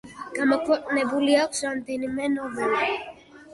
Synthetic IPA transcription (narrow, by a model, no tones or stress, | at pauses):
ɡ̥amɔkʰwɛqʼnɛbuliakʷsɾamd̪ɛnimɛnɔvɔni